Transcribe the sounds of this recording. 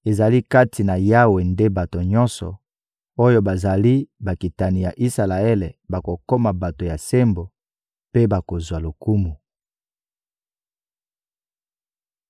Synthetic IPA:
e˨za˨li˦ka˦tʰi˨na˨ja˦we˨nde˦ba˨to˨ɲɔ̃˦nsɔ̰˨ | o˦jo˦ba˨za˨li˦ba˨ki˨ta˨ni˨ja˨ʔi˦sa˨la˨e˦le˨ba˨ko˨ko˦ma˨ba˨to˨ja˨se˦mbo˨ | pe˦ba˨ko˨zwa˨lo˨ku˦mu˨

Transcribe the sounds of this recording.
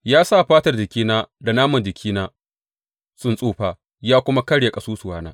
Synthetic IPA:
jaː˦saː˦˨ɸaː˦tɐ˨rd͡ʒɪ˨kʲiː˦naː˦da˨naː˦mɐ˨nd͡ʒɪ˨kʲʰiː˦naː˦ | sʊ˦˨nsʼuː˦˨ɸaː˨ | jaː˦kʷʊ˦ma˦kɐ˦ɽja˨kʼɐ˨suː˦sʊ˨waː˦naː˦

